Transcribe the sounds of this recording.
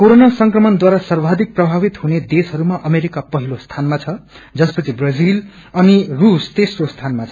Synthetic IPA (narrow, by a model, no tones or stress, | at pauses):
koɾonasʌŋkrʌmʌnd̪waɾasʌrbʱad̪ik̚prʌbʱabit̪huned̪esɦʌɾumaʔʌmeɾikapʌɦilost̪ʰanmat͡sʰʌ | d͡zʌspʌt͡sʰibrʌd͡zil | ʌnirust̪esrost̪ʰanmat͡sʰʌ